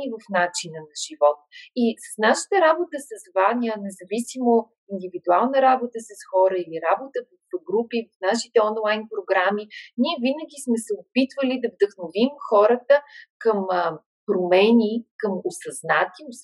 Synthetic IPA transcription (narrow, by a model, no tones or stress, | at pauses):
ivəfnat͡ʃinənɐʒ̥ivɔt̪̚isə̥snaʃə̥t̪əɾabot̪əsəsvanʲiənɛzɐvisimo | ind̪ivid̪ualˠnəɾabot̪əsəsxɔɾəiliɾabot̪əvəfɡɾupivəfnaʃi̥t̪ɛɔnlˠajnpɾoɡɾaminiɛvinəɡʲismɛsɛopit̪vəlid̪ɐvd̪əxnovimxɔɾət̪əkəm | pɾomɛnʲikəmosɐznat̪is